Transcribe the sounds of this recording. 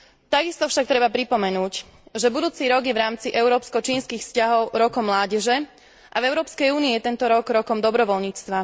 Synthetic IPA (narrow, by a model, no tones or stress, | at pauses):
t̪aɡist̪ɔfʃak̚t̪ɾɛbapɾipɔmɛnuːc | ʒɛbud̪uːt͡siɾɔɡjɛʋɾaːmt͡siʔɛʊɾɔːpskɔt͡ʃiːnskiːxfscaɦɔʊɾɔkɔmːlaːɟɛʒɛ | ʔavɛʊɾɔːpskɛjuːniijɛt̪ɛnt̪ɔɾɔɡɾɔkɔmd̪ɔbɾɔʋɔlɲiːt͡st̪ʋa